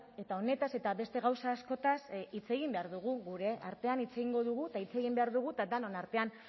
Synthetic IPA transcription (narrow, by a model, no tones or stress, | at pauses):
e̞t̪ao̞ne̞t̪ase̞t̪aβe̞st̪e̞ɣawsaːsko̞t̪asit͡se̞ɣ̞imbe̞aɾðuɣ̞uɣuɾe̞ʔaɾt̪e̞anit͡se̞ɣiŋɡo̞ðuɣ̞uet̪ait͡se̞ɣimbe̞aɾðuɣ̞ut̪ad̪anonaɾt̪e̞an